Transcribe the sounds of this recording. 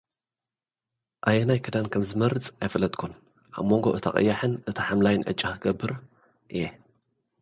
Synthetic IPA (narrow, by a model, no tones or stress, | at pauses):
ʔajenajkʰɨd̪ankʰɐmzɨmɐɾɨt͡sʼajfɐlɐt̪ʼkʰon | ʔa̰βmːoŋɡo̞ʔɨt̪ʰa̰χʼɨ̰jːaħɨnʔɨt̪ʰɨħamlajɨnʔɨ̰t͡ʃʼːakʰɨɡɐbːɨɾ | ʔɨje